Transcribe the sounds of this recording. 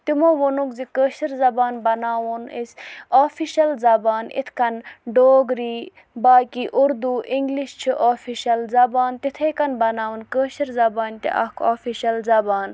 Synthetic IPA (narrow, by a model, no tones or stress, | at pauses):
t̪imoːʋonukzikəːʃiɾzɐbaːnbɐnaːwunisʲaːfʰiʃɐlzɐbaːnḭt̪ʰkɐnɖoːɡɾiː | baːkiːʔuɾd̪uʔiŋɡliʃt͡ʃʰiʔaːfʰiʃɐlzɐbaːnt̪it̪ʰekɐnbɐnaːwunkəːʃiɾzɐbaːnʲt̪ḭʔɐ̰kʰoːfiʃɐlzɐbaːn